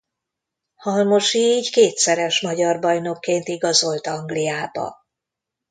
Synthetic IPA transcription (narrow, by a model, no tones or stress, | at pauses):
hɒlmo̞ʃiːɟkeːt̪sɛɾɛʃmɒɟɒrbɒjno̞kːeːnt̪iɡɒzo̞lt̪ɒŋɡlijaːbɒ̰